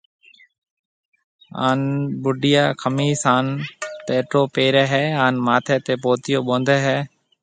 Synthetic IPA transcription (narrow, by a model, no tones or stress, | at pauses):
a̰ːnɓʊɖɪjaːkʰəmiːsaːnt̪eːʈoːpeːɾɛːɦɛːaːnmaːt̪ʰeːt̪eːpoːt̪ɪjoːɓõːnd̪eːɦɛː